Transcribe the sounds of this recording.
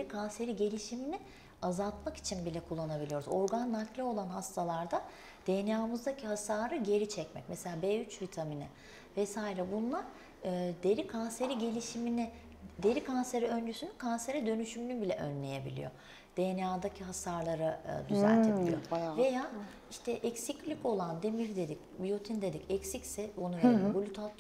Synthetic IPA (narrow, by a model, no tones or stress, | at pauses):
eɾikʰanse̞ɾiɟe̞lʲiʃimini | azalˠt̪maki̥t͡ʃʰinbilʲɛkʰulˠːanabilʲijo̞ɾuzo̞ɾɡanːaklʲˠio̞lˠanɦast̪ʰalˠaɾd̪a | d̪̥ejnjaːmɯzd̪acʰiɦasaːɾɯɟe̞ɾit͡ʃʰɛcmɛ̰c̚mɛselʲaːbɛːyt͡ʃvit̪ʰaminɪ̰ | vɛsaːiɾɛbunlˠaɾ | ɯd̪eɾikʰanse̞ɾiɟe̞lʲiʃimini | d̪e̞ɾikʰanse̞ɾɛø̞nd͡ʒysynykʰanse̞ɾɛd̪ø̞nyʃymynybilʲɛʔø̰nlʲe̞je̞bilʲḭjo | d̪̥ejnjaːd̪acʰiɦasaɾlˠaɾa̰d̪yzæ̰ɾt̪ʰibiḭjovejaː | iʃt̪ʰɛʔɛcsiclʲico̞lˠand̪e̞miɾd̪e̞d̪icbijot̪ʰind̪e̞d̪icɛcsicsɛonuveɾibolʲyt̪ʰat̪